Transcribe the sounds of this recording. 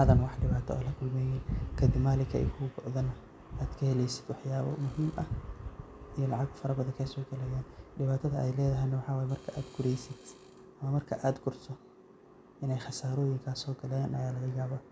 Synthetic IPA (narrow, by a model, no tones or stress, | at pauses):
hɐðɐnwɑħɖɪβaːt̪ʰɔɔ̰ːlɐkʰʊlmɛːjɛnkʰɐd̪ɪmaːlɪkʰɐɛ̰jkʰʊbɔʔðɐnɐ | ʔaːd̪kʰɐhɛlɛjsɪ̥d̪wɑħjaːβɔ̰mʊɦiːmʔɐh | ʔijɔlɑʕɑɡfɐɾɐbɐðɐkʰɐsɔːɡɐlɛːjaːnɖɪβaːt̪ʰɐðɐʔɛjlɛːðɐɦɛjnɐwɑħɑːwaːjmɐrkʰɐʔaːd̪ɡʊɾɛjsɪd̪ | ʔɐmɐmɐrkʰɐʔaːd̪ɡʊrsʰɔ | ʔɪnɛjχɑsaːɾɔːjɪŋkʰaːsɔːɡɐlɛnʔɐ̰jaːlɐɣɐjaːβɐ